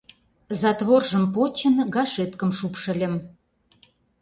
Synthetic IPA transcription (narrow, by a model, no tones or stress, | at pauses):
zɑt̪βorʒə̆mpot͡ɕə̆nɡɑʃet̪kəmʃupʃə̆lʲə̆m